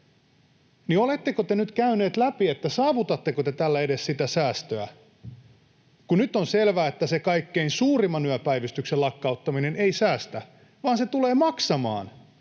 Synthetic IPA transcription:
niolet̪ːekot̪enyt̪kæyne̞ːt̪læpiet̪ːæsɑːʋut̪ɑt̪ːekot̪et̪ælːæede̞ssit̪æsæːst̪øæ | kunyt̪ːonselʋæːet̪ːæsekɑikːeinsuːrimɑnyæpæjʋist̪ykselɑkːɑut̪ːɑmine̞neisæːst̪æ | ʋɑːnse̞t̪ule̞ːmɑksɑmɑ̰ːn

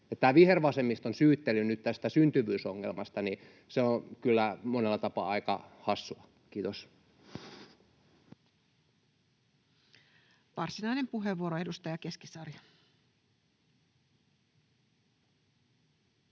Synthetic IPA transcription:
et̪t̪æːʋiherʋɑsemːist̪onsyːt̪ːelːynyt̪t̪æst̪æsynt̪yʋyːsoŋːelmɑst̪ɑni | seokylːæmonelːɑt̪ɑpɑ̰ːɑikɑ̰hɑsːuɑ | kiːt̪os | ʋɑrsinɑjne̞mpuɦeʋːuoɾoe̞dust̪ɑjɑke̞skisɑrjɑ

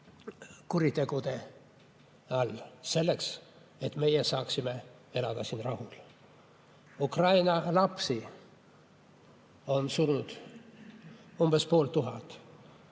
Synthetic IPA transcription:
kuɾit̪e̞ɡ̥ud̪e̞ | ɑlse̞lːe̞ks | et̪ːˑme̞jesɑːksime̞ | e̞lɑd̪ɑsiːnrɑhul | ukrɑjnɑlɑpsi | o̞nsurnud̪̥ | umbe̞spo̞ːlt̪uɦɑt̪ːˑ

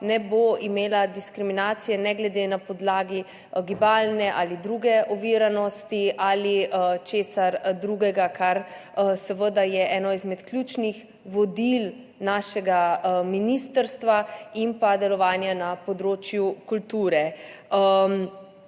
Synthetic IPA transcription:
nɛboimeːlad̪iskɾiminaːt̪sijɛnɛɡlɛd̪enapɔd̪laːɡi | ɡibaːlnɛʔaːlid̪ɾuɡɛʔɔʋiːɾanɔst̪iʔaːlit͡ʃeːsaɾd̪ɾuːɡɛɡakʰaɾsəʋəd̪ajɛɛːnɔizmɛt̪klʲjut͡ʃnix | ʋɔd̪il | naːʃɛɡaminist̪əɾst̪ʋaimpad̪ɛlɔʋaːnjanapɔd̪ɾoːt͡ʃjukult̪uːɾɛ | m

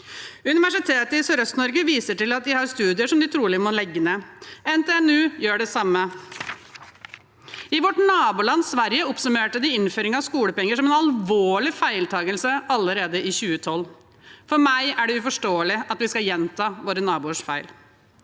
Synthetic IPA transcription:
ʉnɪʋæʂɪt̪ʰeːt̪əɪsɔɾœst̪nɔɾɡəʋiːsəʈɪlɑt̪̚d̪ɪhɑɾst̪ʉːd̪ɪəʂɔmd̪ɪt̪ʰɾuːlɪmɔlɛɡːəneːɛnt̪ʰeɛnʉːjøːɖɛsɑmːə | ɪʋɔʈnɑːbuːlɑnːsʋæɾjəʊpsʉmeːʈəd̪ɪɪnføːɾɪŋɑʋskuːləpɛŋːəʂɔmɛnɑlʋoːɭɪfæɪlt̪ʰɑːɡəlsəʔɑlːəɾeːd̪əʔɪçʉːət̪ʰɔl | fɔɾmæɪæɖɛʉfɔʂʈoːəlɪʔɑt̪ʋɪskɑjɛnt̪ʰɑːʋoːɾənɑːbuːəʂfæɪl

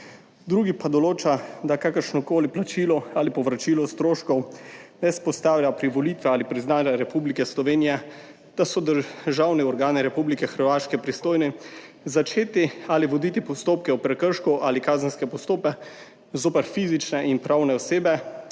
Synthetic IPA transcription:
d̪ɾuːɡipad̪ɔloːt͡ʃad̪akakəɾʃnɔkoːliplat͡ʃilɔalipɔʋɾat͡ʃiːlɔst̪ɾoːʃkɔwnɛspɔst̪aːwlʲjapɾiʋɔliːt̪ʋɛaːlipɾiznaːd͡ʒaɾɛpublikɛslɔʋeːnijɛ | d̪̥asɔd̪əʒawniɔɾɡaːniɾɛpublikɛxəɾʋaːʃkɛpɾist̪oːjni | zat͡ʃeːt̪ialiʋɔd̪it̪ipɔst̪oːp̚kɛɔpɾɛkəɾʃkɔʔalikaːzənskɛpɔst̪oːpɛ | zoːpɛɾfizit͡ʃnɛʔinpɾawnɛɔseːbɛ

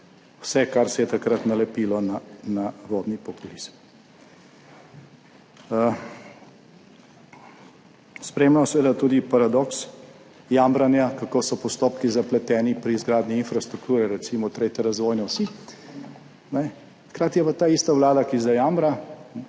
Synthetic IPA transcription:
wsɛkaɾsɛjɛt̪akɾat̪nalɛpiːlɔnanaʋɔd̪nipɔpulizm | spɾeːmlamɔsɛʋeːd̪at̪uːd̪ipaɾad̪ɔks | jambɾanjakakoːsɔpɔst̪oːpkizaplɛt̪ɛːnipɾiːzɡɾaːd̪niinfɾast̪ɾuk̚t̪uːɾɛɾɛt̪simɔt̪ɾeːt̪ʲɛɾazʋɔːjnɛwsi | nɛ | xkɾaːt̪ijɛpat̪aːiːst̪aʋlaːd̪akizajaːmbɾa

